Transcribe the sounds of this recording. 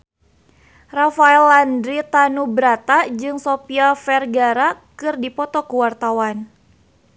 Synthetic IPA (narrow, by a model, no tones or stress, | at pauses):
rafaɛlandɾit̪anubəɾat̪ad͡ʒɨŋsopiafɛrɡaɾakɨrdipɔt̪ɔkuwart̪awan